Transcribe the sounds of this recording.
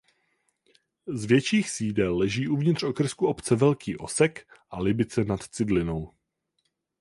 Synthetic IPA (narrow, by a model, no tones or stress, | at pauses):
zvjɛt͡ʃiːxsiːdɛlːɛʒiːʔuvɲɪt̪r̝̥okr̩skuʔo̞pt͡sɛvɛlkʰiːʔo̞̰sɛkʔalɪbɪt͡sɛnat̪t͡sɪdlɪno̞w